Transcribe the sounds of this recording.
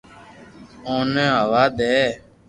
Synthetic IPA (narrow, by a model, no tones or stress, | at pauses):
õːnɛ̃ːɦəʋaːd̪ɛː